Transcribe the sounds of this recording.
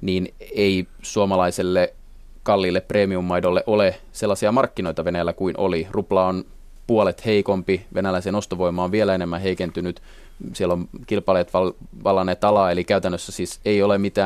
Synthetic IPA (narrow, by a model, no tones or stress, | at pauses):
niːnei | suomɑlɑiselːe | kɑlːilːepːreːmiumːɑidolːeʔole | selːɑsiɑmɑrkːino̞it̪ɑʋenæjlːækuinʔo̰liruplɑon | puolet̪heikompiʋenælæisenost̪oʋo̞imːˑɑoʋʋielæenemːæheikent̪ynyt̪ | sielːomkilpɑlet̪ʋɑlʋɑlːɑnet̪ɑlɑelikæyt̪ænːøsːæsiːseijolemit̪æː